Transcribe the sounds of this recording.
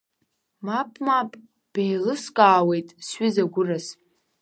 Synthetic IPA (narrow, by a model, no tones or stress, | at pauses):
mapʼmapʼ | b̥ejlɨskʼaːwe̞jtʼsɥizaɡʷʊras